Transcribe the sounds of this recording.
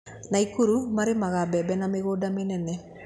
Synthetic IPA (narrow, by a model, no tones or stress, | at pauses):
naikuɾumaɾemaɣabɛbɛnameɣoːdamenɛnɛ